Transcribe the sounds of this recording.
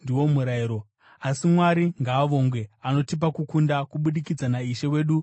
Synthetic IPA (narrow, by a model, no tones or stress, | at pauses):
ndiwo̞muɾaiɾo̞ | asimwaɾiŋɡaːʋo̞ːŋɡwe̞ano̞tip̬akukundakuɓuɗikid͡zanaiʃe̞we̞ːɗu